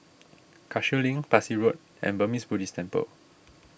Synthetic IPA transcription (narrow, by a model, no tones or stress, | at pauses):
kʰaʃəlĩŋpasiɹot̚ | ɛ̰̃nbəmisbudistʰɛ̃mpə̰l